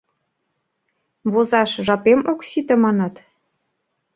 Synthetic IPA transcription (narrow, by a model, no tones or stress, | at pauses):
βozɑʃʒɑpemoksit̪ĕmɑnɑt̪